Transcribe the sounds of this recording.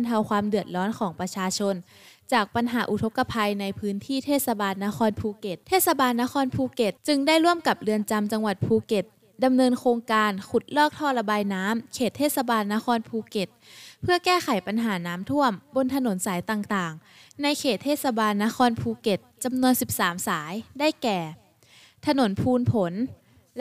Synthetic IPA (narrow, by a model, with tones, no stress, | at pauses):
nt̪ʰa˧wkʰwaː˧mdɯ˨˩ət̪̚lɔː˦˥nkʰɔː˩˦ŋpɾa˧t͡ɕʰaː˧t͡ɕʰo˧n | t͡ɕaː˨˩k̚pa˧nɦaː˩˦ʔu˨˩t̪ʰo˧˥kːa˧pʰa˧jna˧jpʰɯː˦˥nt̪ʰiː˥˩t̪ʰeː˥˩t̪̚sa˧baː˧nːaː˦˧˥kʰɔː˧npʰuː˧ke˨˩t̪̚ʰeː˥˩t̪̚sa˧baː˧nːaː˦˥kxʰɔː˧˥npʰuː˧ke˨˩t̪̚t͡ɕɯ˧ŋda˥˩jɾu˥˩əmka˨˩p̚lɯ˧ənt͡ɕa˧mt͡ɕa˧ŋwa˨˩t̪̚pʰuː˧ke˨˩t̪̚ | da˧mnɤː˧nkʰoː˧ŋkaː˧nkʰu˨˩t̪̚lɔː˥˩k̚t̪ʰɔː˧˩la˧baː˧jnaː˦˥mkʰeː˨˩t̪ʰːeː˥˩t̪̚sa˧baː˧nːaː˧˥xʰɔː˧npʰuː˧ke˨˩t̪̚pʰɯ˥˩ɐkɛː˥˩xa˨˩˦jpa˧nɦaː˩˦naː˦˥mt̪ʰu˥˩əmbo˧nt̪ʰa˧no˨˩˦nsaː˩˦jt̪aː˨˩ŋt̪aː˨˩ŋ | na˧jkʰeː˨˩t̪ʰːeː˥˩t̪̚sa˧baː˧nːaː˧˥xʰɔː˧npʰuː˧ke˨˩t̪̚t͡ɕa˧mnu˧ənsi˨˩p̚saː˩˦msaː˩˦jda˥˩jkɛː˨˩ | t̪ʰa˧no˨˩˦npʰuː˧npʰo˩˦n